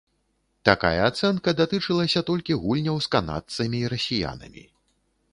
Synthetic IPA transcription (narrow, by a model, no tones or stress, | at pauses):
t̪aka̰jɐːt̪sɛnkɐd̪at̪ɨt͡ʂɨlˠɐsʲɐt̪ɔlʲkʲiɣulʲnʲɐwskana̰t̪sɐmʲiːɾɐsʲija̰nɐ̰mʲḭ